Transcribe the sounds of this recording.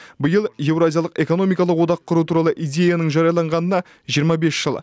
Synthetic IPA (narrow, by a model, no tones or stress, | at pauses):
bəjəlˠje̞vɾazʲijalˠəqe̞ko̞no̞mijkɑlˠəqwo̞d̪ɑqʰːʊɾut̪ʰuɾɑlˠəʔijd̪ʲe̞janəɴʒɑɾjɑlˠɑɴʁɑnənɑ | ʒijəɾmɑbe̞sʒ̥əlˠ